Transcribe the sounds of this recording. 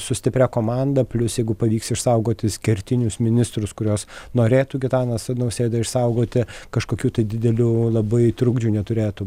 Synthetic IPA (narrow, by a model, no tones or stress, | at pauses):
sʊsʲt̪ʲɪpʲɾʲækoːmɑnd̪ɐpʲlʲʊsjɛɪɡʊpɐʋʲiːksɪʃsɐʊɡoːt̪ʲɪsʲkʲɛɾʲt̪ʲɪnʲʊsmʲɪnʲɪst̪ɾʊskʊɾʲoːsnoːɾʲeːt̪uɡʲɪt̪ɑːnɐsɐnɐʊsʲeːd̪ɐɪʃsɐʊɡoːt̪ʲɪkɐʃkoːkʲuːt̪ɐɪd̪ʲɪd̪ʲɛlʲuːlˠɐbɐɪt̪ɾʊɡd͡ʒʲuːnʲɛt̪ʊɾʲeːt̪ʊ